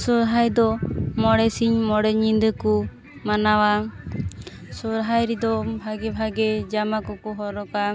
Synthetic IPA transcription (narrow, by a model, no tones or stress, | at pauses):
sɔɾɦajd̪ɔmɔɽɛsiɲmɔɽɛɲind̪əku | manawa | sɔɾɦajɾid̪ɔbʱaɡɛbʱaɡɛd͡ʒamakɔkɔɦɔɾɔka